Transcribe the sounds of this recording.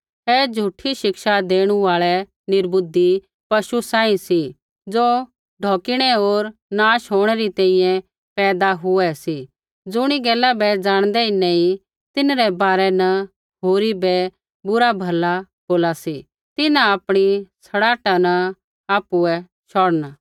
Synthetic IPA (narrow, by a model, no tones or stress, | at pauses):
ɦɛd͡ʒʱuːʈʰiʃɪkʃad̪eːɽ̃uaːɭɛ | nɪɾbʊd̪i | pɐʃusãːĩsi | d͡zoː | ɖʱoːkɪɽ̃ɛoːɾnaːʃɦoːɽ̃ɛɾit̪ɛ̃ĩjɛ̃ | pɛːd̪aɦʊɛsi | d͡zʊɽ̃iɡɛːlabɛd͡zaːɽ̃d̪ɛɪnɛ̃i | t̪ɪnɾɛbaːɾɛnɐ | ɦoːɾibɛ | bʊɾabʱɐla | boːlasi | t̪ɪnãapɽ̃isɐɽaːʈanɐ | aːpuɛ | ʃɔːɽəna